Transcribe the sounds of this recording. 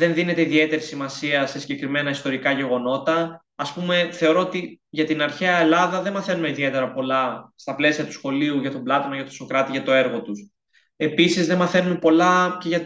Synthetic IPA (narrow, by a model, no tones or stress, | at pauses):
ðe̞nðine̞t̪e̞iðie̞t̪e̞ɾisimɐsiɐse̞siɲɟe̞kɾime̞nɐist̪o̞ɾikɐʝe̞ɣo̞no̞t̪ɐː | spume̞θe̞o̞ɾo̞ot̪iʝɐt̪inɐɾçeɐelɐðɐðe̞nmɐθe̞numeiðie̞t̪e̞ɾɐpo̞lɐst̪ɐple̞siɐt̪u̥sxo̞liuʝɐt̪o̞blɐt̪onɐʝɐt̪oso̞kɾɐt̪iʝɐt̪o̞e̞ɾɣo̞t̪us | e̞pisizðe̞mɐθe̞numepo̞lɐce̞ʝɐ